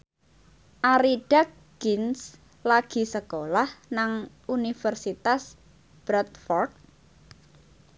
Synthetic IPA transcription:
ʔaɾiɖ̥ak̚ | ɡ̥ins | laɡ̥i̤səkolahnaŋ | unifərsit̪as | b̥ɾat̪̚fɔrd̪̚

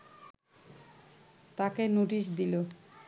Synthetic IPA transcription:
t̪akenuʈiʃ̬d̪ilo

